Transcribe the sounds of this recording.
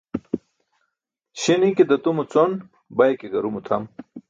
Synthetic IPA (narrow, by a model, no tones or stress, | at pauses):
ɕiniked̪ɐt̪umut͡son | bɐjkeɡɐɾumut̪ʰɐm